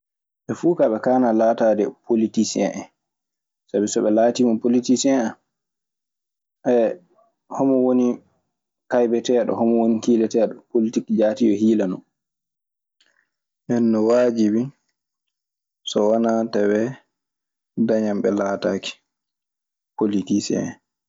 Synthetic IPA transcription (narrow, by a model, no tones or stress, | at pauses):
ʔɛfuːkaɓɛkaːnalaːtaːdɛpʰolitisiɛ̰ʔɛ | sabisɔɓɛlaːtiːmapolitisiɛan | ʔɛ | hɔmɔwoni | kajbɛtɛɗɔ̰hɔmɔwonikiːlɛtɛɗɔpolitikd͡ʒaːtijɔhiːlanɔn | ʔɛnːɔwad͡ʒibin | sɔwanatawɛ | daɲamɓɛlaːtaki̥ | politisiɛ̰ɛ